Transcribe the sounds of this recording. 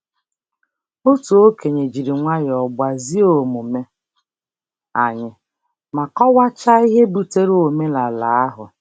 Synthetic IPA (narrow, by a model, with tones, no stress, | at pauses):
o˦tu˨o˦ke˨ɲe˨d͡ʒi˨ɾi˨ŋʷa˦jɔ˨ɡ͡ba˨zi˦o˨mu˨me˦ | a˨ɲɪ˨ | ma˨kɔ˦wa˦t͡ʃa˦i˦ɦe˦bu˨te˦ɾo˨me˦la˨la˨a˦ɦʊ˨